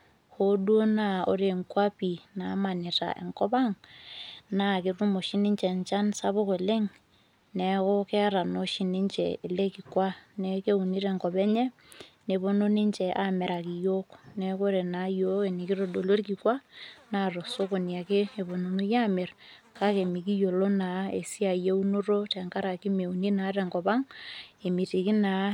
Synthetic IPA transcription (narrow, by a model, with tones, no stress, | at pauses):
ho˦dwo˦na˨o̰˨ɾe˨ŋkwa˦pi˨na˨ma˨ni˨ta̰˨ʔḛ˨ŋkɔ˦ba˦ŋ | na˨kɪ˨ru˦mo˨ʃi˦ni˦ɲt͡ʃɛ˨ɲt͡ʃa˦nsa˦βo˦ke˨le˦ŋ | ne˨ko˦kɛ˦a˦ɾa˨no˦ʃi˨ni˦ɲt͡ʃɛ̰˨e˨le˦ki˨kwa˦ne˨ke˦u˨ni˦ɾe˨ŋkɔ˨bɛ˦ɲɛ˦ | ne˨bo˦no˦ni˦ɲt͡ʃɛ˨ʔa˦mɛ˨ɾa˨ki˨jo˦knɛ˨ko˦ɾe˨na˨˦jo˦e˨ni˨ki˦ɾo˨ɗo˨lo˦rki˨kwa˦na˨ɾo˨so˦ko˨n˨a˨ke˦e˨bo˨no˨nu˦ja˦mɛ˨rka˦ke˨mi˨k̬i˦jo˨lo˦na˨˦e˨si˦a˨je˦u˦no˦ɾo˦tɛ˨ŋka˦ɾa˨ki˦me˨u˨ni˦na˨˦ɾɛ˨ŋɡɔ˨ba˦ŋe˨mi˨ti˨ki˦na˨˦